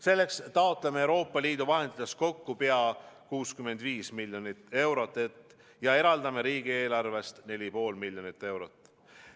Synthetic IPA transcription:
se̞lːe̞kst̪ɑot̪ˑlemeewɾo̞ːpːˑɑliːd̪uvɑɦe̞nd̪̥it̪ːˑest̪̚ko̞kːupeɑkuːskymːe̞nd̪viːsmiljonit̪ːˑe̞wɾo̞t̪ːˑet̪ | jɑe̞ɾɑld̪ɑme̞ɾiːɡ̥ie̞ːlɑrve̞st̪ne̞lʲipo̞ːlmilʲjonit̪ːˑe̞wɾot̪ːˑ

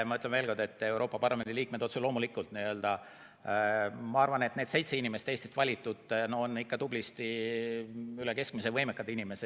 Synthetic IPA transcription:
mɑyt̪ːˑleme̞ːlko̞rd̪et̪ːe̞wɾo̞ːpːˑɑpɑrlɑme̞nd̪iliːk̚med̪o̞t̪sulo̞ːmulikːˑult̪niø̞ld̪̥ɑ | mɑɑrvɑne̞t̪ne̞ːd̥̪se̞jt̪se̞inimeset̪eːst̪ist̪vɑlʲit̪ːˑud̪̥noonːikːɑd̪ublist̪i | yleke̞sk̚mise̞vɤjmekːˑɑd̪̥inimese

